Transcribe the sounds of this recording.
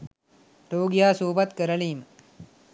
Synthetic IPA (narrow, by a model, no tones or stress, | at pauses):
ɾoːɡijaːsuːbɐt̪kəɾɐliːmə